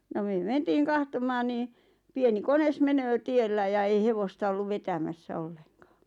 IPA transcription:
no myø mentiːn̞ kɑhtomɑːn niː pieni kones menøː tielːæ jɑ ei heʋostɑ olːuʋ ʋetæmæsːæ olːeŋkɑ̥ː

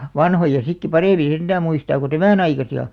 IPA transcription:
ʋɑnhojɑ sikːi pɑreˑmĩː send̥æː muistɑː ku tæmæˑn ɑikɑsiɑ

